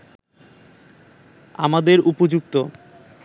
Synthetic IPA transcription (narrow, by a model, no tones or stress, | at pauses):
a̰mad̪eɾupod͡ʑuk̚t̪o